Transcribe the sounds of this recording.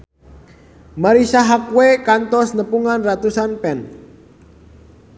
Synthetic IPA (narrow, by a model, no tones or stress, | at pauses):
maɾisaɦakuwekant̪ɔsnəpuŋanrat̪usanpɛn